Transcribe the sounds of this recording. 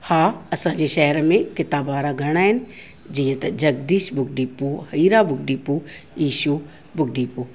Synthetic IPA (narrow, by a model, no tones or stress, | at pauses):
haːɐsãːɲd͡ʑeʃɐɦɾmẽkɪt̪aːbaːɾaɡʱɐɽ̃aːɦɪnɪ̆ | d͡ʑĩːə̃t̪ɐd͡ʑɐɡ̚d̪iːʃbʊɡɖiːpuhɐiːɾabʱʊɡɖiːpujiːʃu | bʊɡɖiːpuː